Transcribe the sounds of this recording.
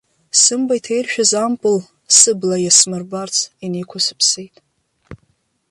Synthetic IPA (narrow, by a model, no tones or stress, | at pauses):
sɨmbajtʰejrʃᶣazampʼɨl | sɨblajasmɨrbart͡sʰinekʷʰasɨ̥pʰsejtʼ